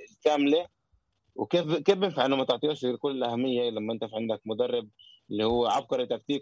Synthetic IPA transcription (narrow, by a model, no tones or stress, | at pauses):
ɪlkæmle | wɪkeːfkeːfbɪnfaʕɪnːʊmæt̪oʕt̪ˤijuːʃkʊlːɪlʔæhæmːɪjːalæmːʔɪnt̪æfiʕend̪æk̚mʊd̪ɑrˤːɑb̚ʔɪlːihʊwːæʕɑb̚qɑɾˤɪt̪ːæk̚t̪iːk